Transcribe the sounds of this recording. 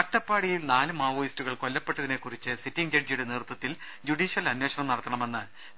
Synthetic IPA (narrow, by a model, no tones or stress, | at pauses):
kɐʈːɐpːaːɽijilnaːlɨmaːʋoːjistuɣɐɭko̞lːɐpːe̞ʈːɐðine̞kːurit͡ɕːɨsitːiŋd͡ʑɐd͡ʑjuɽe̞neːrut̪ːɐt̪ːil | d͡ʑuɽiːɕjɐlɐnwe̞ːɕɐnɐmnɐɽɐt̪ːɐɳɐme̞nːɨ